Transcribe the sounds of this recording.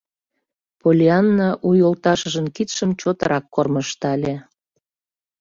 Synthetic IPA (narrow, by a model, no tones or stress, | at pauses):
polʲiɑnːɑʔujolt̪ɑʃə̆ʒə̆mkit̪ʃəmt͡ɕot̪ɤɾʔɑkːorməʃt̪ɑlʲe